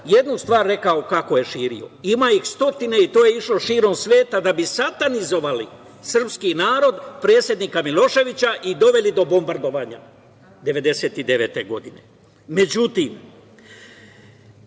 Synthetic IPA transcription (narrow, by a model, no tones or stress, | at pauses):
je̞d̪nust̪ʋaːɾːe̞kaokako̞je̞ʃiːɾḭo̞̰imajixst̪o̞t̪ine̞it̪oːje̞iʃlo̞ʃiːɾo̞msʋe̞ːt̪ad̪abisat̪anizo̞ʋali | sr̩pskinaːɾo̞d̪pɾe̞ːt̪sʲjed̪niːkamilo̞ʃe̞ʋit͡ɕaʔid̪o̞ʋe̞lid̪o̞bo̞mbaɾd̪o̞ʋaːɲa̰ | d̪e̞ʋed̪e̞se̞ːt̪id̪e̞ʋe̞ːt̪e̞ɡo̞d̪ine̞̰ | me̞d͡ʑut̪im